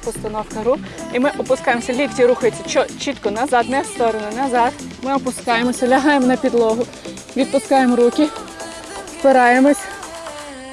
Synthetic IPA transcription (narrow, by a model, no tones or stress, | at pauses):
pʊst̪ɐnɔwkɐɾu | imɪʔɔpʊskɑjemɔsʲɐlʲiɡdʲiɾuxɐjet͡sʲːɐt͡ʃɔt͡ʃit̪kɔnɐzɑd̪nɛst̪ɔɾɔnʊnɐzɑd̪mɪɔpʊskɑjemɔsʲɐlʲɐɦɑjemɔnɐpʲid̪lˠɔɦʊ | ʋʲid̪̚pʊskɑjemɾukʲɪ | sbɪɾɑjemɔsʲ